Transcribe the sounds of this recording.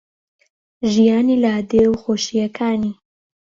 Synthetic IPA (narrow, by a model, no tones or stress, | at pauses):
ʒijɑːnilɑːd̪ewxoːʃijɐkʰaːni